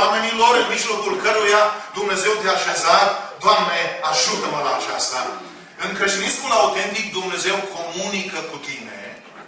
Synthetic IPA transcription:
ame̞nilo̞ɾɨnmiʒlo̞kulkəɾujad̪umneze̞wt̪eaʃezat̪d̪oamne̞aʒut̪əməlaːt͡ʃa̰st̪a | ɨŋkɾəʃt̪iniskunaut̪ent̪ik̚d̪umne̞ze̞wkʰo̞munikəkut̪ine̞̰

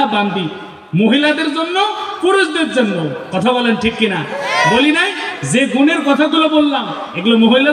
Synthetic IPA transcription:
aband̪i | moɦilad̪eɾd͡ʒonːɔpuɾusd̪et̪d͡ʒenːokɔt̪ʰabɔlenʈʰikːinabolinajzeɡʱuneɾkɔt̪ʰak̪ulɔbolːam | eɡulomoɦila

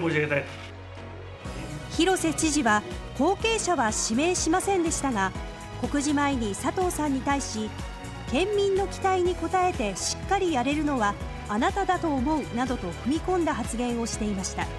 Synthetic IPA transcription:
moʑiɡet̪aj | çiɾo̞se̞t͡ɕiʑiβaho̞ːke̞ːɕaβaɕime̞ːɕimasẽ̞nd̪e̞ɕi̥t̪aŋa | ko̞kɯ̟ʑimaiɲ̟isat̪o̞ːsãɲ̟ːit̪aiɕi | kẽ̞mːʲĩnːo̞kʲi̥t̪aiɲ̟iko̞t̪ae̞t̪e̞ɕi̥kːaɾʲijaɾe̞ɾɯ̟no̞βaː | nat̪ad̪at̪o̞ːmo̞ɯ̟nad̪o̞t̪o̞kɯ̟mʲikõ̞nd̪aɦat͡sɨɡẽ̞ɰ̃o̞ɕi̥t̪e̞imaɕi̥t̪a

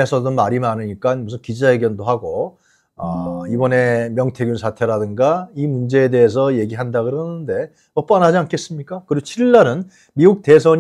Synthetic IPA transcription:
esʰʌdomaɾimanɯɲik͈anmus̬ʰɯnkid͡ʑaɦeɡjʌndoɦaɡo | ʌibʌne̞mjʌŋtʰe̞ɡjunsʰatʰe̞ɾadɯŋɡaimund͡ʑe̞ːde̞es̬ʰʌje̞ɡiɦandaɡɯɾʌnɯnde̞ | ʌp͈anɦad͡ʑiankʰe̞s͈ɯmɲik͈akɯɾiɡot͡ɕʰiɭːaɾɯn | miɡuk̚te̞s̬ʰʌɲ

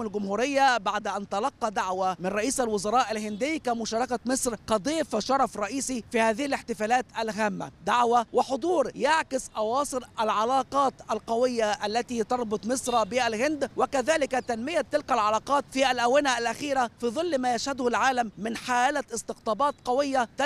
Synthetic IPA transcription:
malɡʊmhuːɾɪjːabaʕd̪ʔant̪ɑlɑqːɑd̪aʕwamɪnɾˤɑʔiːsʔalwʊzɑɾˤɑːʔalhɪnd̪ɪjːkamʊʃɑːɾˤɑkamɪsˤɾqɑd̪ˤiːfʃɑɾˤɑfɾˤɑʔiːsifiːhaːðɪhilɪħt̪ɪfaːlaːt̪alɦaːmːa̰d̪aʕwawɪħod̪ˤuːɾjaʕkɪsʔɑwɑːsˤɨlʔalʕɑlɑːqɑːt̪ʔalqɑwɪjːaʔalːat̪it̪ɑɾˤbʊt̪ˤmɪsˤɾˤɑbɪhalɦɪnd̪wɪkaðaːlɪkat̪anmɪjat̪ːɪlkalʕɑlɑːqɑːt̪fiʔalʔawɪnaʔalʔaxiːɾafiːðˤɨlːmaːjaʃhad̪ʊhlʕaːlamːɪnħaːlaɪst̪ɪqt̪ˤɑːbɑːt̪qɑwɪjːat̪

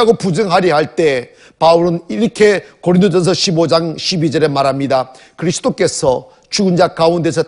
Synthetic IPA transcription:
aɡopud͡ʑɯŋɦaɾiɦaɭt͈e̞ | pauɾɯniɾɯkʰe̞koɾind̪od͡ʑʰʌns̬ʰʌɕʰibod͡ʑaŋɕʰibid͡ʑʌɾe̞maɾɦamɲida | kɯɾisʰɯ̥dok͈e̞sʰʌ | t͡ɕuɡɯnd͡ʑakaundesʰʌ

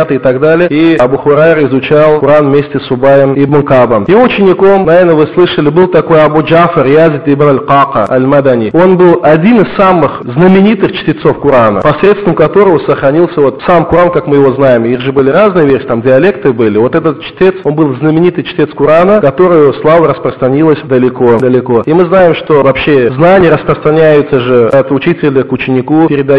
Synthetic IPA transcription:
at̪ɨɪt̪ɐɡd̪alʲɪjəiɐbuxʊɾarɪzʊt͡ɕalˠkʊɾanvmʲesʲtʲɪsʊbajəmib̪ɨnkabəmjɪoʊt͡ɕɪnʲɪko̞mnɐvʲernəvɨslˠɨʂəlʲɪbɨlˠt̪ɐko̞jɐbud͡ʒafərjazʲɪt̪ibnɐlʲqɑqəɐ̰lʲmad̪anʲio̞nbɨlˠɐdʲinɨssamɨxznəmʲɪnʲit̪ɨxt͡ɕt̪ʲɪt̪so̞fkʊɾanə̰pɐsɾʲet̪st̪vʲəmkɐt̪o̞ɾəvəsəxɾɐnʲilˠsʲəvo̞t̪samkʊɾankakmɨjɪvo̞znajɪmiɣʐɨbɨlʲɪɾaznɨjəvʲersʲɪt̪amdʲɪɐlʲe̞kt̪ɨbɨlʲɪvo̞t̪ɛt̪ət̪̚t͡ɕɪt̪ʲet̪so̞nbɨlˠznəmʲɪnʲit̪ɨjt͡ɕɪ̥tʲe̞t̪skʊɾanəkɐt̪o̞ɾʊjʊslˠavəɾəspɾəst̪ɾɐnʲilˠəsʲd̪əlʲɪko̞d̪əlʲɪko̞imɨznajɪmʂt̪o̞vɐpɕːe̞znanʲɪjəɾəspɾəst̪ɾɐnʲæjʊt̪səʐɨɐt̪ʊt͡ɕitʲɪlʲəkʊt͡ɕːɪnʲɪkupʲɪɾʲɪd̪ɐ

